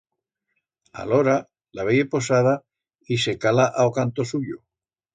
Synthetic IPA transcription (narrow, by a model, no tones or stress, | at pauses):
a̰loɾa | laβejepo̞s̬að̞a | ise̞kalaʔaokant̪osuʎo